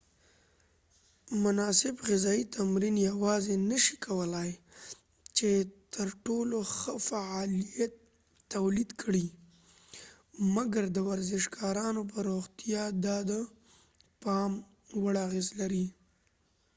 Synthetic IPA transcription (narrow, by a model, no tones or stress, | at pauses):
mʊnɑsɪbɣɪzɑit̪ʰamɾinjawɑzenəʃi̥kʰawəlaj | t͡ʃet̪ʰəɾʈoloxəfaɑlijat̪ː | awlid̪kʰəɽi | maɡaɾd̪əwaɾzɪʃkʰɑɾɑnop̬əɾoɣt̪ijɑd̪ɑd̪ə | pɑm | wəɽaɣezlaɾi